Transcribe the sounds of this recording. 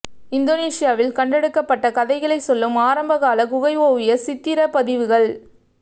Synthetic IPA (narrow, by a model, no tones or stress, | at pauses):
ɪnd̪oːneːsɪjaːʋɪlkɐɳɖɛɽɯkːɐpːɐʈːɐkɐðɐɪɣɐɭɐɪsɔlːɯmaːɾɐmbɐɣaːlɐkʊɣɐɪʋoːʋɪjɐsɪt̪ːɪɾɐpɐðɪʋɯɣɐɭ